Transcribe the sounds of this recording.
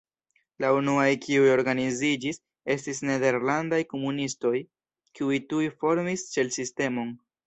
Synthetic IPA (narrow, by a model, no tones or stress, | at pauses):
launuajkʰiujo̞ɾɡanizid͡ʒis | e̞stisne̞de̞ɾlandajko̞munisto̞j | kiujtujfo̞ɾmist͡ʃe̞lsiste̞mo̞n